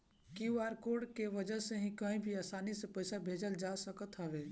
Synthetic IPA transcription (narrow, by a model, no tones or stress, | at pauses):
kiuaɾkoɖkeʋəd͡ʒəɦseɦĩkəĩbʱiaːsaːnisepəɪsabʱeːd͡ʒəld͡ʒasəkət̪ɦəʋe